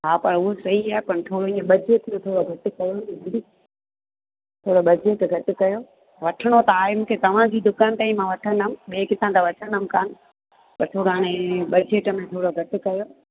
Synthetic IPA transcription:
ɦaːpɐɾʊɦosɐɦiaːɦɪpɐɾt̪ʰoːɽoĩːə̃ɓɐd͡ʑeːʈmẽt̪ʰoːɽoɡʱɐʈɪkɐjoniɦɐ̃d̪i | t̪ʰoːɽoɓɐd͡ʑeːʈɡʱɐʈɪkɐjoː | ʋɐʈʰəɽ̃ot̪ɐaːɦɪmũːkʰet̪ɐʋ̤ãd͡ʑiːd̪ʊkaːnt̪aːĩmãʋɐʈʰənəmɓeːkɪt̪ʰãt̪aʋɐʈʰəɳəmɪkaːnɪ̆ | pɐɾt̪ʰoːɽoaːɽ̃eɓɐd͡ʑeːʈmẽt̪ʰoːɽoɡʱɐʈɪ̆kɐjoː

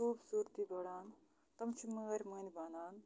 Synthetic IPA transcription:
uːbsuːɾt̪ibɐɽaːn | t̪ɐmt͡ʃʰimɐɣɐɾʲmɐnibanaːn

